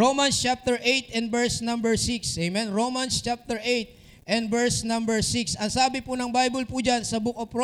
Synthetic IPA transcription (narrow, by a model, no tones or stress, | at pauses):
ɹomɐnst͡ʃap̚t̪ɛɹʔejt̪ɛnd̪bɛɹsnɐ̃mbɛɹsiksejmɛnɹowmɐnst͡ʃap̚t̪ɛɹʔejt̪̚ | ʔɛnd̪vɛɹsnɐ̃mbɛɹsɪksɐŋsaːbɪpʊnɐŋbajbɐlpʊd͡ʒansɐbʊkopɾo